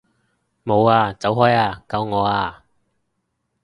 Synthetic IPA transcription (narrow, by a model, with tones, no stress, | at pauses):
mo˨˧waː˧t͡sɐ˨˥wɦɔː˥jaː˧kɐ˨˧wŋɔː˨˧aː˧